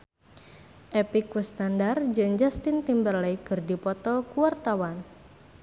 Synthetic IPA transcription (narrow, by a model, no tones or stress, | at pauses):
ʔepikwəst̪andard͡ʒɨŋd͡ʒast̪int̪imbərlɛjkɨrdipɔt̪ɔkuwart̪awan